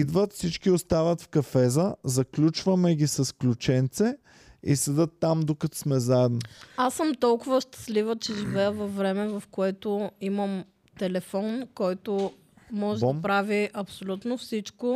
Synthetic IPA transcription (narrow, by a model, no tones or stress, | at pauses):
id̪vət̪fsit͡ʃkiost̪avət̪fkɐfɛzəzɐklʲut͡ʃvɐmɛɡʲisɐsklʲʊt͡ʃɛnt̪sɛ | ḭsɛd̪ət̪ːamd̪okɐt̪smɛzaɛd̪noasːəmt̪ɔlˠkʊvəʃt̪ə̥slivət͡ʃɛʒivɛjəvɐfːɾɛmɛvɐfkoɛt̪oiməm | t̪ɛlɛfɔnkɔjt̪ʊ | mɔʒɛɐpɾaviʔɐpsolʲut̪nofsit͡ʃko